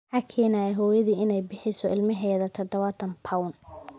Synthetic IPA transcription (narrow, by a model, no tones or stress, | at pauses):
ʕɑkʰɛːnaːjɛɦɔːjɐðiːɪnɛjbɪħɪsɔɪlmɐɦɛːðɐt̪ʰɐd̪ɐβɐt̪ʰɐnpʰɐwn